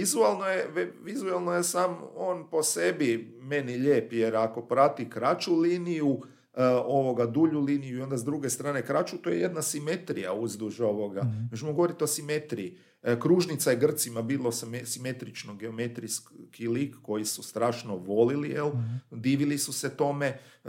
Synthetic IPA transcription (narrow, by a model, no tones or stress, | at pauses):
ʋizualˠnojeʋizualˠnojesaːmo̞ːnpo̞se̞bi | me̞niʎeːpjeɾako̞pɾat̪ikɾat͡ʃuliːniju | o̞ʋo̞ɡad̪uʎuliːnijuio̞nd̪azd̪ɾuɡe̞st̪ɾaːne̞kɾat͡ʃut̪ojeje̞d̪nasime̞t̪ɾḭja̰uzd̪uʒo̞ʋoɡamet͡ʃmoɡo̞ʋoɾit̪eosimet̪ɾiː | kɾuʒnit̪sajeɡr̩t̪simabiːlˠossime̞t̪ɾit͡ʃnoɡe̞ome̞t̪ɾiskʰilikːo̞jisust̪ɾaːʃnoʋo̞lilield̪iːʋilisuset̪o̞me